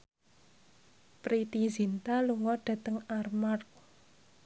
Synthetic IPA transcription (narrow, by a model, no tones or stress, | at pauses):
pɾit̪izint̪aluŋɔɖ̥ä̤t̪əŋarmark̚